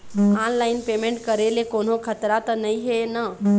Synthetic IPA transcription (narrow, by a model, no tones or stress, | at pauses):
aːnlaːɪnpeːmẽɳʈkəɾelekoːnokʰət̪ɾat̪ənɐĩɦena